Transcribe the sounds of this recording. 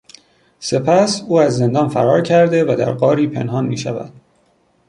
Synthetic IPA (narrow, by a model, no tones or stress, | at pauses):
se̞pʰæsuːæzːe̞nd̪ɒːnfæ̰ɾɒːɾcʰæɾd̪evæd̪æ̰ɾɢɒːɾiːpʰe̞̰nɦɒːnmḭːʃæ̰væ̰d̪̥